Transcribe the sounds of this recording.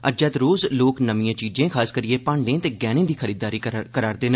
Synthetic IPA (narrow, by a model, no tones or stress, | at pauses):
əd͡ʒɛːt̪ɾoːzloːknəmijãːt͡ʃiːd͡ʒẽːkʰaːskəɾɪieːpãːɳɖẽːt̪eːɡɛːnẽːd̪iːkʰəɾiːd̪aːɾiːkəɾaːɾd̪eːn